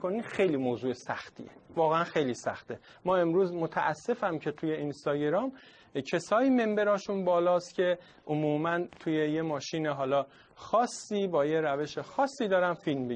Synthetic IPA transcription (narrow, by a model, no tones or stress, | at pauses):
koniːxejliːmoːzuːesæxt̪ʰḭḛvɒːɣeænxejliːsæ̰xt̪e | mɒːe̞mɾuːzmot̪ʰæ̰ʔæsːe̞fæmcʰe̞t̪ʰuje̞inst̪ɒːɟeɾɒːm | cʰe̞sɒːjime̞mbe̞ɾɒːʃunbɒːlɒːst̪cʲʰe̞ | ʔomuːmænt̪ʰuːjejemɒːʃiːneɦɒːlɒː | xɒːsːiːbɒːje̞ɾæve̞ʃexɒːsːiːd̪ɒːɾænfilmbe